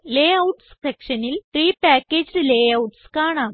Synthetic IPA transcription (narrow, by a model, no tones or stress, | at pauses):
leːɐwʈssekʂɐnilʈriːpaːkʲːeːd͡ʑlɨleːɐwʈskaːɳaːm